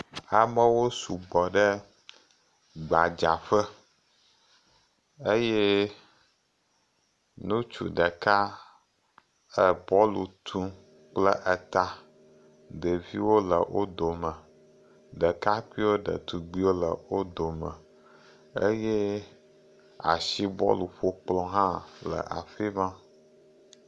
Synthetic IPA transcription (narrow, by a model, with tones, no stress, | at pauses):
a˨mə˦wo˦su˨ɡ͡bɔ˨ɖə˦ | ɡ͡ba˨d͡ʒa˨ɸə˦ | e˦jɛ˦ | nũ˦t͡ʃṵ˨ɖə˨ka˦ | ə˦pɔ˦lṵ˨t̪ʰũ˦ | k͡plə˦ʔə˨t̪a˦ | də˨vi˦wo˦lə˨wʔo˦d̪o˨mə̃˨ | ɖə˨ka˦ki˦wo˦ɖə̰˨t̪u˨ɡ͡bi˦wo˦lə˨wo˦d̪o˨mə̃˨ | ḛ˦je˦ | a̰˨ʃi˦bɔ̰˦lu˨ɸo˦k͡plɔ̃˦ɦã˦lə̰˨ʔa̰˨fi˦mã˦